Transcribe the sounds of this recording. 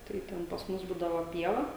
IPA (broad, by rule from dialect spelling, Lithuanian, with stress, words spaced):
tɐɪ ˈtʲɛn pɐs ˈmʊs ˈbuːdɐʋoː ˈpʲiɛʋɐ